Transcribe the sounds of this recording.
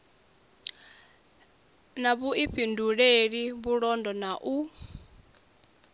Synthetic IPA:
naβuiɸʰinduɺeɺiβuɺɔndɔnaʔu

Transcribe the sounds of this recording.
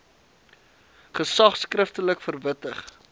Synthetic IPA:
χəsɐχskrəftələkfərvətəχ

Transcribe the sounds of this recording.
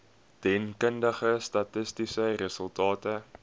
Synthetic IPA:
tɛnkəndəχəstɐtəstisəɾəsəlˠtɑːtə

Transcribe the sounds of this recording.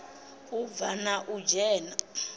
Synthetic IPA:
uvanaʔud͡ʒɛːna

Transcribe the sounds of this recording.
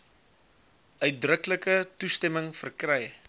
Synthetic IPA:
œɥt̚drəkləkətustɛməŋfərkrɛj

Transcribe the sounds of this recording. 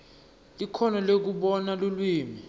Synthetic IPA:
likʰɔnɔlek̬uɓɔnalulwiːmi

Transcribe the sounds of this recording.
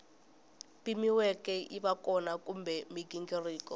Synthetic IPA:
pimiwɛkɛʔiβakɔnakumbɛmiɡiŋɡiriːkɔ

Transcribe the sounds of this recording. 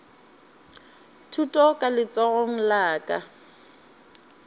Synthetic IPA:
tʰutʼɔkʼalɪt͡sʼɔɣoŋ̩laːkʼa

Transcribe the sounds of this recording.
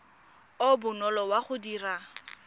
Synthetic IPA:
obʊnɔlɔwaχʊdiːra

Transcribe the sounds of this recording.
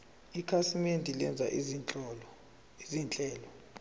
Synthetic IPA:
ikʰasimendʱilɛnd͡zʱa̰ʔizinʼɔlɔ | izint͡ɬʼɛːlɔ

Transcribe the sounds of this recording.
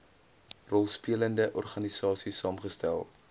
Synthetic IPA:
rɔlˠspiələndəʔɔrχɐnisɑːsisɑːmχəstælˠ

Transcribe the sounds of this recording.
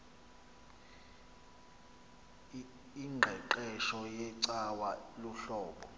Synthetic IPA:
iŋ͡ǃʱɛǃɛʃɔjɛǀawaluɬɔːɓɔ

